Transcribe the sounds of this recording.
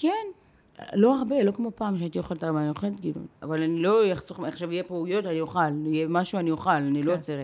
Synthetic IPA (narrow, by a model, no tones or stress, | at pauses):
ken̰ | lo̞aʁbe̞lo̞kmo̞paːmkʃeait̪ijoχaltaʁamaanioχelet̪̚ɡilṵna̰valanilo̞jaχsoχaχʃavijepeujo̞tanioχalijemaʃuanijoχalanilot͡seʁe